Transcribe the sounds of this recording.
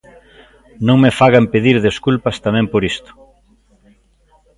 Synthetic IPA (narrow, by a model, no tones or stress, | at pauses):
nõŋmefaɣampeðiɾðeskulpɐst̪amɛ̃mpoɾist̪ʊ̥